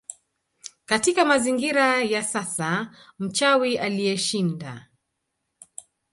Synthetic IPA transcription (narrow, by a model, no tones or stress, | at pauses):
katikamaziŋɡiɾajasasa | m̩t͡ʃawiʔalijɛʃinda